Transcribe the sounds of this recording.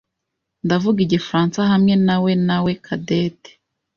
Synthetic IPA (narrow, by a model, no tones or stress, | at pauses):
ndavuɡiɟefɾaːnsaɦamŋe̞nawe̞nawe̞kʰadeːte̥